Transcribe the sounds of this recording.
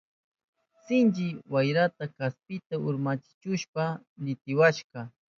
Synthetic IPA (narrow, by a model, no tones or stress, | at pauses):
sɪnt͡ʃɪwajɾat̪akaspɪt̪aʊɾmat͡ʃɪ̥t͡ʃʊʃpanɪt̪ɪwaʃqɑ